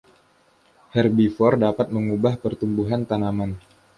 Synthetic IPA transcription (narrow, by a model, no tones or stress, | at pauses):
hɛrbifɔrdapat̪̚məŋubahpərt̪umbuɦant̪anaman